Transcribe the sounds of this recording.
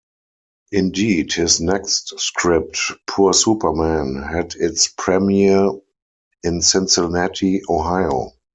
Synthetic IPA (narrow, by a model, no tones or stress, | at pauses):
ʔɪ̃ndiːdhɪsnɛkstskʰɹɪp̚tpʰuəsuːpə˞mæ̃nhædɪtspʰɹɛmiə˞ | ɪ̃nsɛ̃nsɛlnɛtʰioɦaɪo̰